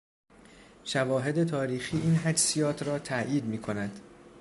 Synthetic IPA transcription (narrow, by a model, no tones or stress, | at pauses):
ʃævɒːɦe̞d̪e̞t̪ʰɒːɾiːxiːʔiːnɦæd͡ʒsijɒːt̪ʰɾɒːt̪ʰæjiːd̪miːkʰo̞næd̪̥